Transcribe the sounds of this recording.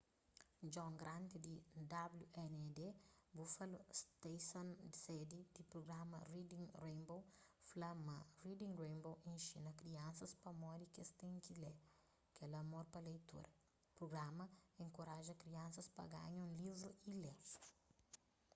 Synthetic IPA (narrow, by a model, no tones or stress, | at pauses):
d͡ʒɔ̃ŋɡɾãnt̪id̪id̪abluɛnɛd̪ebufɐlust̪esõnd̪sɛd̪id̪̥ipɾoɡɾamɐ̰rid̪ĩŋɾẽjmbowflɐmɐrid̪ĩŋrẽjmbowẽnʃinɐkɾiɐ̃nsɐspɐmɔɾikest̪ẽŋkile | kɛlɐmoɾpɐlejt̪ṵɾɐ | pɾoɡɾamɐẽŋkoɾaʒɐkɾiɐ̃nsɐspɐ̰ɡa̰ɲũlivɾuile